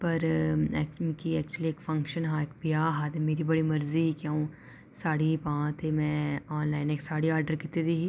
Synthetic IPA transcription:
pɐɾɛkkiɛːk̚t͡ʃuəlieːkfɐ̃ŋkʃənɦãːeːkbijaːɦaːt̪emeːɾibɐɽimɐɾziikãːũ | saːɽipãːt̪emɛ̃ːɔːnlaːɪneːksaːɽiaːɾɖəɾkɪt̪ed̪iɦi

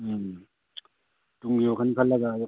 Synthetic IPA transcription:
tuŋjokʰankʰalːaɡa

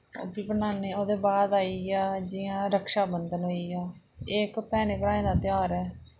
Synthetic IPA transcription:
o̰ːbiːbənaːneːoːd̪eːbaːd̪aːiːaːd͡ʒɪjãːɾəkʃaːbənd̪ənɦoːiːaː | ekpɛːneːpəɾãːẽːd̪aːt̪ɪaːɾɛː

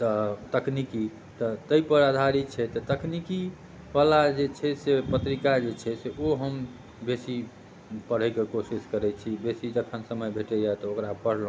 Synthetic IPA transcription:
t̪ɔt̪əkniki | t̪ɔt̪əipəɾad̪ʱaɾit͡ʃʰɛt̪ɔt̪əkniki | ʋalad͡ʒet͡ʃʰɛsepət̪ɾikad͡ʒet͡ʃʰɛseoɦəm | besi | pəɽ̤əkekosiskəɾɛt͡ʃʰibesid͡ʒəkʰənsəməjbʱeʈɛjaet̪ɔokɾapəɽ̤l̃

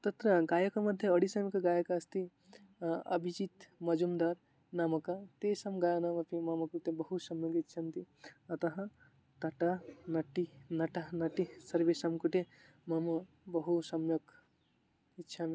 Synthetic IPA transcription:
t̪ɐt̪ɾɐɡajɐkɐmɐd̪ʱjeɐɽisɐmekɐɡajɐkɐst̪i | ɐ̰bʱid͡ʒit̪mɐd͡ʒumd̪aɾ | namɐkat̪esɐmɡajanamɐpimamɐkut̪ebɐɦusɐmjɐkitːt͡ʃʰɐnt̪i | ɐt̪ɐɦɐ̃ | t̪ɐʈanɐʈːinɐʈanɐʈisɐɾbesɐmkuʈ̪e | mamɐ | bɐɦusɐmjɐɡ | itːʃʰam

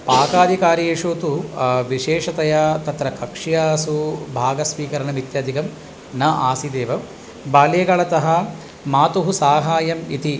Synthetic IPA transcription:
paːkaːd̪ʱikaːɾieːʂoːt̪uʋiʃeːʂɐt̪ɐjaːt̪ɐt̪ɾɐkɐkʂijaːsubʱaːɡɐsʋiːkɐɾɐnɐmit̪jaːd̪ʱikɐm | nɐʔaːsid̪eːʋɐ | baːleːɡɐɭɐt̪ɐɦɐ | maːt̪uɦusaːɦaːjɐmit̪i

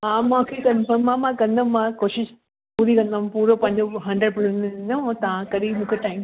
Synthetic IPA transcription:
ɦãːmãkʰekɐ̃nfɐmãmãkɐ̃nd̪ɐmãkoːʃɪʃ | puːɾikɐ̃nd̪ampuːɾopɐ̃ɪɲd͡ʑoɦɐ̃ɳɖɾəɖ̚pʊsẽnɐõːt̪ɐʋãkɐɾimũːkʰeʈaːɪm

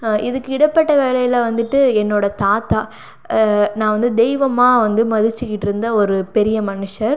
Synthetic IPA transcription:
ɪðɯkːɯɪɽɐpːɐʈːɐʋeːlɐjɪlɐʋɐnd̪ɯʈːɯɛnːoːɽɐt̪aːt̪aː | nãːʋɐnd̪ɯd̪ɛjʋɐmaːʋɐnd̪ɯmɐðɯt͡ʃːɯkːɪʈːɪɾɯnd̪ɐɔɾɯpɛɾɪjɐmɐnɯʂɐɾ

